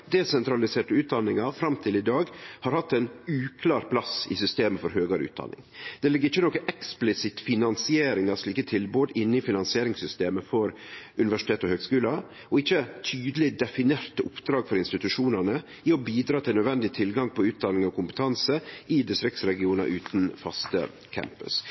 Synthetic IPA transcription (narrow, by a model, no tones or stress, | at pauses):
d̪ɛsɛnt̪ɾɑlɪseːʈəʉːt̪̚d̪ɑnɪŋɑfɾɑmt̪ʰɪlɪd̪ɑːɡhɑɾhɑt̪ːɛɪnʉːkʰlɑːɾpʰlɑsɪ̰sʏst̪eːməfɔɾhøːɡɑɾʉ̰ːt̪̚d̪ɑ̰nɪ̰ŋd̪̥ɛlɪɡːɾɪçːənɔkəʔɛksplɪsɪt̪fɪnɑnsɪeːɾɪŋɑʂɭiːkət̪ʰɪlboːd̪əʔɪnːɪfɪnɑnsɪeːɾɪŋsʏst̪eːməfɔɾʉnɪʋæʂɪt̪ʰeːt̪əɔhøːɡskʉːlɑ | ɔɪçːət̪ʰyːd̪əlɪd̪ɛfɪneːɾt̪əʊpd̪ɾɑːɡfɔɾɪnst̪ɪt̪ʉʂuːnənə | ɪɔbiːd̪ɾɑːt̪ʰɪlnœd̪ʋɛnd̪ɪt̪ʰɪlɡɑŋpʰɔʉːt̪̚d̪ɑnɪŋɔkʰʊmpə̥t̪ʰɑnsəʔɪd̪ɪst̪ɾɪksɾɛɡɪuːnɑ̰ʔʉːt̪nfɑst̪ə̰ | kʰæ̰mpə̰s